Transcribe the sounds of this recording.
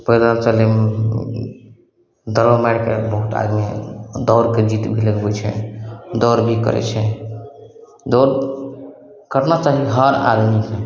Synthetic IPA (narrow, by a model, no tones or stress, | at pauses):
pɾəd̪ansəlim | d̪əɾəmɛɽkebəɦut̪a̰d̪mid̪ɔɾked͡ʒit̪bʱiləɡbɛt͡ʃʰɛ̰d̪ɔɾbʱikə̰ɾɛ̰t͡ʃʰɛ | d̪ɔɾ | kəɾnat͡ʃaɦiɦəɾa̰d̪mise